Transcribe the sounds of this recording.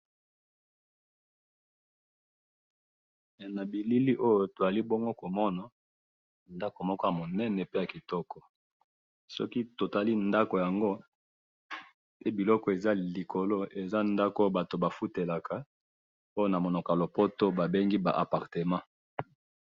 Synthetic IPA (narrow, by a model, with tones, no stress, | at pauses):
na˨bi˨li˦li˦ʔo˦jo˦to˨za˨li˦bo˦ŋɡo˦ko˨mɔ˦na˨ | nda˦ko˨mɔ˦kɔ˦ja˨mo˨nɛ˦nɛ˨pe˦ja˨ki˨tɔ˦kɔ˨ | sɔ̰˦ki˦to˨ta˨li˦nda˦ko˨ja˨ŋɡo˦ | pe˦bi˨lɔ˦kɔ˨e˨za˦li˨ko˨lo˦ʔe˨za˦nda˦ko˦ba˨to˨ba˨fu˦te˨la˨ka˨ | o˦jo˦na˨mo˨no˨ka˨lo˨po˦to˦ba˨be˦ŋɡi˦ba̰˨ʔa˨pa˨ʁte˨mã˦